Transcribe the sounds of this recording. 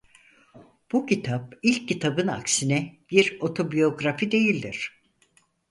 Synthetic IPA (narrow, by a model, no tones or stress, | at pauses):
b̥ucʰit̪ʰap̚ilʲcːit̪ʰabɯna̰ksinɛb̥iɾo̞t̪ʰo̞bijo̞ɡɾafid̪e̞jilʲd̪iɾ̝̥